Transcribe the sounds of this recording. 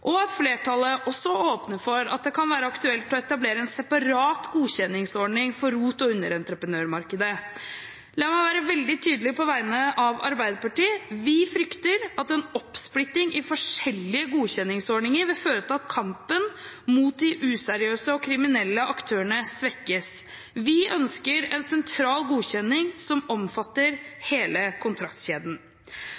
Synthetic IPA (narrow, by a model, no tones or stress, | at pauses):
ʔɔɑt̪fleːʈʰɑlːəʔɔsːɔoːpnəɾfɔɾɑ̰t̪̚d̪ɛkʰɑnʋæːɾəɑkt̪ʉɛlt̪ɔɛt̪ɑbleːɾəɛnsɛpɑɾɑːt̪ɡuːçɛnːɪŋsɔɳɪŋfɔɾːuːt̪ɔʉnːəɾɛnt̪ɾəpɾənøːɾmɑɾkəd̪ə | lɑːmæɪʋæːɾəʋɛld̪ɪt̪ʰyːd̪əlɪpʰɔʋæɪnəʔɑʋɑ̰ɾbæɪd̪əpɑʈiːəʋɪfɾʏkt̪əɾɑt̪ɛnɔpːsplɪt̪ːɪŋʔɪfɔʂɛlːɪəɡuːçɛnːɪŋsɔɳɪŋəɾʋɛføːɾət̪ɑt̪kʰɑmpənmuːt̪̚d̪ɪʔʉːsæɾɪøːsəɔkʰɾɪmɪnɛlːəʔɑkt̪ʰøːəɳəsʋɛkːəs | ʋɪʔœnskəɾɛnsɛnt̪ʰɾɑːlɡuːçɛnːɪŋsɔmɔmfɑt̪ːəɾheːləkʰʊnt̪ʰɾɑkt̪ɕeːd̪n̩